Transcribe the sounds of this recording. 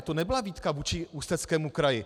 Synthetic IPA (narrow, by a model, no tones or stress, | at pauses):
t̪onɛbɪlaviːt̪kavuːt͡ʃɪust̪ɛt͡skɛːmukɾajɪ